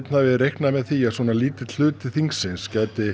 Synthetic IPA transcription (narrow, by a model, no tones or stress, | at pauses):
t̪navɪrejhknamɛðθiaðsɔːnaliːt̪ɪt̪l̥ʏːt̪ɪθiŋksɪnscɛːt̪ɪ